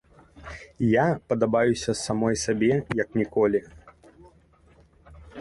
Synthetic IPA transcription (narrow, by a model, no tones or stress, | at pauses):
japɐd̪abajusʲɐsamɔjsabʲɛjɐknʲikɔlʲi